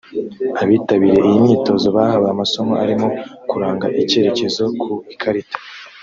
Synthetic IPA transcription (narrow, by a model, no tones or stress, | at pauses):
aβiːtaβiɾe̞ʔijimɲiːto̞zo̞βahaβaamaso̞moaɾimo̞kuɾaːŋɡaʔice̞ɾe̞ce̞zo̞kʰuikʰaɾitḁ